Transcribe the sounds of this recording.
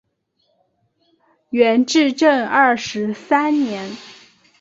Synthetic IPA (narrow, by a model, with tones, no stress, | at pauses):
ɥɛ˧˥nʈ͡ʂɻ̩˥˧ʈ͡ʂə˥˧ŋɐ˥˩ʂɻ̩˧˥sa˥nnjɛ˧˥n